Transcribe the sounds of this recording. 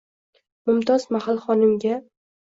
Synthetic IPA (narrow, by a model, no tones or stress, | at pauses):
mʊmt̪ʰɒzmahalχɒnɪmɡʲa